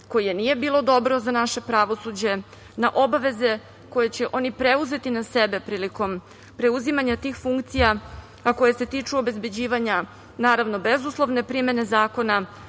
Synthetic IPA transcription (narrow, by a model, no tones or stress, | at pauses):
ko̞jijenije̞biːlo̞d̪o̞bɾozanaʃe̞pɾaʋo̞sud͡ʑe̞ | naʔo̞baʋe̞ze̞ | ko̞jet͡ɕe̞ʔo̞nipɾe̞uze̞t̪inase̞be̞pɾiːliko̞m | pɾe̞uzimaɲat̪iːxfuŋkt̪sija | ako̞je̞se̞t̪iːt͡ʂuo̞be̞zbe̞d͡ʑiːʋaɲa | naːɾaʋno̞be̞zuslˠo̞ʋne̞pɾime̞ne̞zaːko̞na